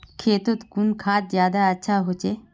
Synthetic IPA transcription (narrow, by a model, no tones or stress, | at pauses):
kʰeːt̪ot̪kunkʰaːt̪̚zjaːd̪aɐtːʃʰaːɦot͡ʃe